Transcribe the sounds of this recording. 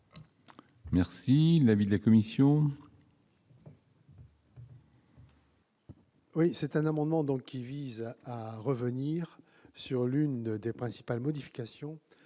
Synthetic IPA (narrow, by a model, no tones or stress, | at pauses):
mɛʁsilavid̪əlakɔmisjɔ̃ | wisɛt̪ɛ̃namɑ̃d̪mɑ̃d̪ɔ̃kʲːivizaʁəvəniʁ | syʁlynd̪epχɛ̃si̥palmɔd̪ifi̥kʲasjɔ̃